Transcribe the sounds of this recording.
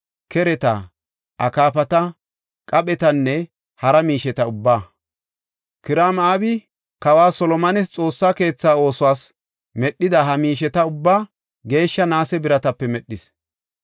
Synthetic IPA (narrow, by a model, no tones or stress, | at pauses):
kɛɾɛt̪a̰ | ʔɐkaːpɐt̪ɐ | kʼɐpʼɛt̪ɐnːɛ | hɐɾɐmiːʃɛt̪ɐʊbːaː | kɪɾaːmaːbɪ | kɐwaːsɔlɔmɐnɛst͡sʼo̞ːsːaːke̞ːt͡sːaːo̞ːsʊwaːs | mɛɗːɪd̪ɐɦɐmiːʃ̬ɛt̪ɐʊbːaː | ɡe̞ːʃːɐnaːsɛbɪɾɐt̪ɐpːɛmɛɗːɪs